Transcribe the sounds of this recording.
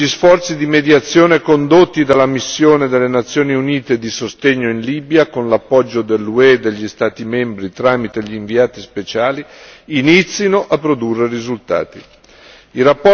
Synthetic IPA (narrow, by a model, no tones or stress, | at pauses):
ʎisfɔrt̪sid̪imed̪jat̪sːjoːnekond̪ot̪ːid̪alːamisːjoːned̪elːenat̪sːjoːniuniːt̪ed̪isost̪eɲːoinliːbjakonlapːɔd͡ʒːod̪elːued̪eʎːist̪aːt̪imembɾit̪ɾaːmit̪eʎiːɱviaːt̪ispet͡ʃaːliːnit̪sːinoʔapːɾod̪urːerizult̪a̰ːt̪i | iɾapːɔ